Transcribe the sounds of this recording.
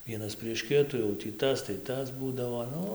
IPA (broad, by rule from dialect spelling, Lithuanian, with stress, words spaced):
ˈʋʲiɛnɐs pʲrʲiɛʃ ˈkʲɪtuː jɛʊ tʲiː ˈtɐs tɐɪ ˈtɐs ˈbuːdɐʋoː ˈnʊ